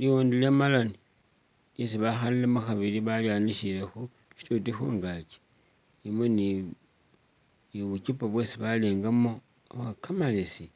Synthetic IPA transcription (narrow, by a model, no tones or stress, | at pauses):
liwoːndilemalani | es̬iβaxalilemoxaβiliβajaːniʃiɾexu | ʃi̥tutixuŋɡat͡ʃe̥ | nimweni | niβut͡ʃupaβwe̞ːsiβaleːŋɡamo | awakamalesi